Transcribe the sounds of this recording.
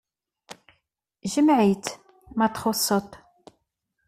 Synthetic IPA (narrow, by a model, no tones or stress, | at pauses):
ʒəmʕit̪ | mæt̪χʊsˤːət̪ˤ